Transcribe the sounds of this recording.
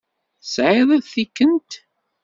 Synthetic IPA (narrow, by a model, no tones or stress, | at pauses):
sʕɪðˤəðθikːənt̪